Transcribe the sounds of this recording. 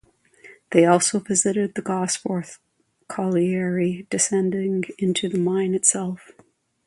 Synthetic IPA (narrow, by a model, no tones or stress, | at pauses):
ðeɪɔlˠsoʊvɪzɨɾɨd̪̚ðɨɡɑsfɔɹθ | kʰɑlˠiɛɹid̥ɨsɛ̃ndɪ̃ŋɪ̃ntʰʉðɨmãɪ̃nɨtsɛlˠf